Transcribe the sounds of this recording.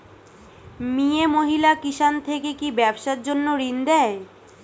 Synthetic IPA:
miemoɦilakiʃant̪ʰekekibɛbʃaɾd͡ʑonːoɾind̪ɛe

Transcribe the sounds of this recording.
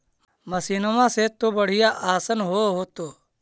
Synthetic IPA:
məsiːnoʋãːset̪obəɽ̤ɪjaʔaːsənɦoɦoːt̪oː

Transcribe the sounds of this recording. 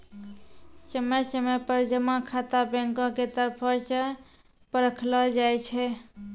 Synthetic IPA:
səməjsəmepəɾd͡ʒəmakʰat̪abẽŋkɔ̃ket̪əɾpʰəsə̃ | pəɾəkʰlɔd͡ʒajt͡ʃʰɛ

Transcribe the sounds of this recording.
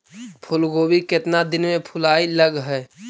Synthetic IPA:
pʰʊlɡoːbikɪt̪nad̪ɪnmẽpʰʊlaːiləɡɦɛː

